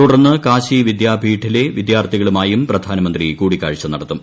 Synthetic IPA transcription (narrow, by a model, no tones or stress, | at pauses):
t̪uɽɐrnːɨkaːɕiʋid̪jaːbʱiːʈʰːile̞ʋid̪jaːrt̪ʰiɣɐɭumaːjumprɐd̪ʱaːnɐmɐnd̪rikuːɽikːaːɻit͡ɕːɐnɐɽɐt̪ːum